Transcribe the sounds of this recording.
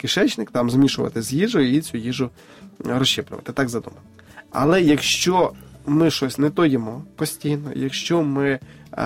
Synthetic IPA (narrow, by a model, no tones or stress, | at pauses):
kɪʃɛt͡ʃnɪkt̪ɑmzmʲiʃʊʋɐ̰t̪ɪzjiʒʊit͡sʲujiʒʊ | ɾɔst͡ʃɪplʲʊ̰ʋɐ̰t̪ɪt̪ɑɡzɐd̪ṵmɐn | ɐ̰lˠɛjɐkʃt͡ʃɔmɪʃɔsʲnɛt̪ɔjɪmɔpɔsʲtʲijnɔ̰jɐkʃt͡ʃɔmɪ